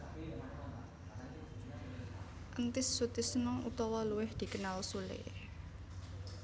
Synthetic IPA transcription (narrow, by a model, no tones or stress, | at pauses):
ʔənt̪ɪsːut̪ɪsnɔʔut̪ɔwɔluwɪhd̪̥i̤kənalsulɪ̰